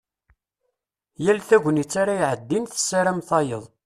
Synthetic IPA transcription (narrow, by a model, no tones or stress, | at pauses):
jælθæʝʷənit͡sːaɾajʕəd̪ːinθə̥sːaɾæmθɑjəðˤ